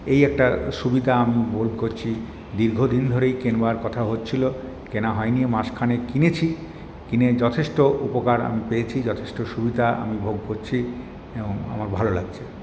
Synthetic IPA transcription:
ejɛk̚ʈaʃubid̪ʱaamibolkoɾt͡ɕʰi | d̪iɾɡʱod̪ind̪ʱoɾejkenbaɾkɔt̪ʰaɦotːt͡ɕʰilo | kenaɦɔeniemaʃkʰanekinet͡ɕʰi | kined͡ʑɔt̪ʰeʃʈoupokaɾa̰mipeet͡ɕʰid͡ʑɔt̪ʰeʃʈoʃubid̪ʱaa̰mibʱoɡ̚koɾt͡ɕʰi | eboŋa̰maɾbʱalola̰ɡt͡ɕʰe

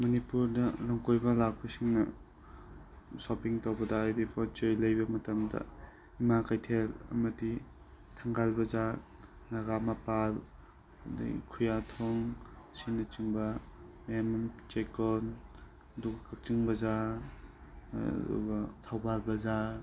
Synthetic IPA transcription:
mɐnipuɾdɐlɐŋkojbɐlak̚bɐsiŋnɐ | sopiŋtawbɐdɐːjdipʰɔt͡ʃɔjlɐjbɐmɐtɐmdɐ̰ | imakajtʰelɐ̰mɐdi | tʰaŋɡalbɐza | nɐɡamapal | dḭkʰujatʰɔŋ | sinɐt͡ʃiŋbɐ | emnt͡ʃekɔn | ɐduɡɐkɐk̚t͡ʃiŋbɐza | dṵɡɐtʰawbalbɐza

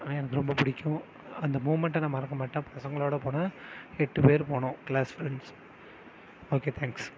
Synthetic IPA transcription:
ɛnɐkːɯɾɔmbɐpʊɽɪkʲːʊ̃ | ɐnd̪ɐmuːmɐɳʈːɐnɐmːɐɪɾɐkːɐmaːʈːẽːpɐsɐŋɡɐɭoːɽɐpoːnaːɛʈːɯpeːɾpoːɳʊ̃kɭaːsfɾɛɳɖs | oːkeːt̪ʰɛːŋks

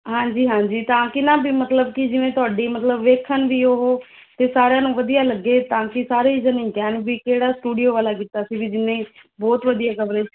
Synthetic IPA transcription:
ɦãːɲd͡ʒiːɦãːɲd͡ʒiːt̪ãːkɪnãːbiːmət̪ləbkɪd͡ʒɪʋẽːt̪ʊaːɖiːmət̪ləbʋeːkʰənʋiːoɦoː | t̪eːsaːɾejãːnũːʋəd̪ijaːləɡːeːt̪ãːkɪsaːɾeːd͡ʒənĩːkɛːnbiːkeːɽaːsʈuːɖijoːʋaːlaːkiːt̪aːsiːbiːd͡ʒɪnːẽːbɔːt̪ʋəd̪ijaːkəʋɾeːd͡ʒ

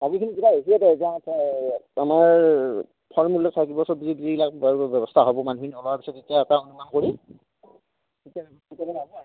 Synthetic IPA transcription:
aɡikʰinikibaɦesiɛdɛzãtɛamaɹ | pʰɔɹmulːɔk̚sʰajkibɔsɔbizibizibilakbaɹbɛbɔstʰaɦobɔmanukʰiniɔlɔaɹpisɔtetijaɛtaunumamkoɹi | tia | itabɛaba

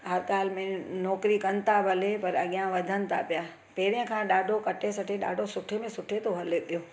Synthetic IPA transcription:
ɦɐɾɠaːl̤mẽnɔːkɾikɐnɪ̆t̪ʰabʱɐlepɐɾɐɠijãʋɐd̪ʱənɪ̆t̪ʰa̰pija | peːɾɪjə̃kʰãːɗaːɖʱokɐʈʰesɐʈʰeɗa̰ːɖʱosʊʈʰemẽsʊʈʰet̪ʰoɦɐleɗijoː

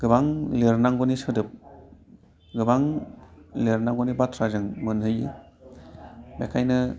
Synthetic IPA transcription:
ɡ̥ɯbaŋleɾnaŋɡɔnisɯdɯp̚ | ɡɯbaŋ | leɾnaŋɡɔnibatʰɾazɯŋmɯnɦɯji | bekʰajnɯ

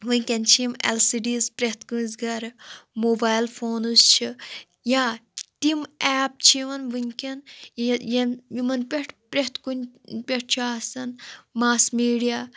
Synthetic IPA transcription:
ʋɨnʲkʲɐnt͡ʃʰimɛ̰lsiːɖiːspɾeɦt̪kunzɡɐɾmoːbaːjlfʰoːnust͡ʃʰi | jat̪imɛːp̚t͡ʃʰiʋɐnʋɨnʲkʲɐnjjɐjimɐnpʲeʈʰpɾeɦt̪ʰkunʲpʲeʈ̚ʰt͡ʃʰaːsɐnmaːsmiːɖijaː

